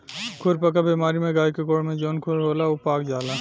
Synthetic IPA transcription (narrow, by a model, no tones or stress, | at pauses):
kʰʊɾpəkabiːmaːɾimẽɡaːikekoːɽmẽd͡ʒoːnkʰʊɾɦoːlaopaːkd͡ʒaːla